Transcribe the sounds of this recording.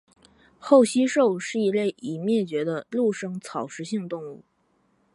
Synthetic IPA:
xo˥˩ʊɕi˥ʂo˥˧ʊʂɻ̩˥˩i˧˥le˥˩ɪʔi˨˩mjɛ˥˩t͡ɕɥɛ˧˥d̪ə˧lu˥˩ʂɤ˥ŋt͡sʰɑ˨˩ʊʂɻ̩˧˥ɕi˥˧ŋt̪ʊ˥˧ŋu˥˩

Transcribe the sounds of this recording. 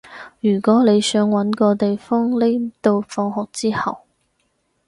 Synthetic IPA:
jyː˨˩kʷɔː˨˥le˨˧jsœː˨˧˥ŋwɐ˨˥nkɔː˧t̪e˨jfɔː˥ŋle˥jt̪o˧wfɔː˧ŋɦɔː˨k̚t͡siː˥hɐ˨w

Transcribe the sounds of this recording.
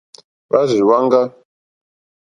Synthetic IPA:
ba˦zi˨wa˦ŋ˦ɡa˦

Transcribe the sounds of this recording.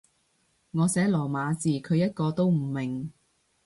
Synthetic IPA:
ŋɔː˨˧sɛː˨˥lɔː˨˩maː˨˧t͡siː˨kʰɵ˨˧ɥjɐ˥t̚kɔː˧t̪o˥wm̩˨˩mɪ˨˩ŋ

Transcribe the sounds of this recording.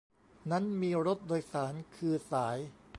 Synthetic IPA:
na˦˥nmiː˧ɾo˦˥t̪̚doː˧jsaː˩˦nkʰɯː˧saː˩˦j

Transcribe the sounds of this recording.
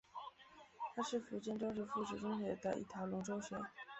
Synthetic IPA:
t̪ʰa˥ʂɻ̩˥˩fu˧˥t͡ɕjɛ˥˧nʈ͡ʂɑ˥ŋʂɻ̩˥˧fu˥˩ʈ͡ʂɻ̩˨˩ʈ͡ʂʊ˥ŋɕɥɛ˧˥d̪ə˧ʔḭ˥˩t̪ʰja˧˥ʊlʊ˧˥ŋʈ͡ʂo˥ʊɕɥɛ˧˥

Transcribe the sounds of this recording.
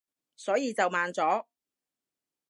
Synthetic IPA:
sɔː˨˥jiː˨˧t͡sɐ˨wmaː˨nt͡sɔː˨˥

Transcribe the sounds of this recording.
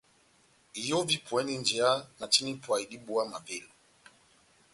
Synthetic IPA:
i˨jɔ˦vi˦pʰwɛ˦ni˦nd͡ʒɛ˨a˦na˨t͡ʃi˦ni˦pwa˨i˨ɗi˦ɓu˦a˦ma˨vɛ˦˨lu˨

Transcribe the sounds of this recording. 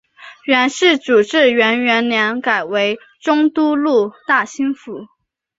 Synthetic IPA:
ɥɛ˧˥nʂɻ̩˥˩ʈ͡ʂu˨˩ʈ͡ʂɻ̩˥˩ɥɛ˧˥nɥɛ˧˥nljɛ˧˥nka˨˩ɪwe˧˥ɪ | ʈ͡ʂʊ˥ŋt̪u˥lu˥˩t̪a˥˩ɕi˥nfu˧˥˦

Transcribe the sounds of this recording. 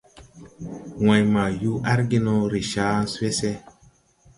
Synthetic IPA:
wã˨jma˨ju˦ʔa˦ɾɡi˦no˦ɾi˨ʃaː˦n˦se˦se˦

